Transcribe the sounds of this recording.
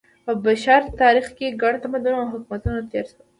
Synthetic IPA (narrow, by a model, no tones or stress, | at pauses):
pəbaʃɑɾt̪ɑɾixkeɡaɳt̪amad̪unoawɦʊkumat̪unot̪eɾs